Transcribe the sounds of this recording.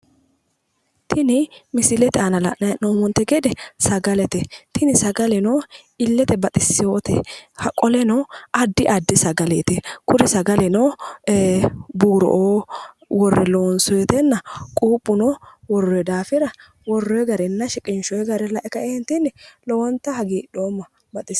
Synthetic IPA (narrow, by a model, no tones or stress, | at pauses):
t̪ʰɪnɪmɪsɪlɛt̪ɛanɐlɐʔnɐnoːmɔnt̪ɛɡɛd̪ɛsɐɡɐlɛt̪ɛt̪ʰɪnɪsɐɡɐlɛnoːɪlːɛt̪ɛbɐt̪ʼɪsːɪjoːt̪ɛ̰hɐkʼɔlɛnɔɐd̪ːɪʔɐd̪ːɪsɐɡɐlɛt̪ɛkʊɾɪsɐɡɐlɛno | buːɾɔ̰ʔoː | wɔrːɛloːnsɔjɛt̪ɛnːɐkʼuːpːʊnɔwɔrːɔjɛd̪aːfɪɾɐ | wɔrːɔjɛɡɐɾɛnːɐʃɪkʼɪnʃɔjɛɡɐɾɛlɐʔɛkːɐɛnt̪ɪnːɛlɔwɔnt̪ːɐhɐɡiːɗoːmːɐ | bɐt̪ʼɪ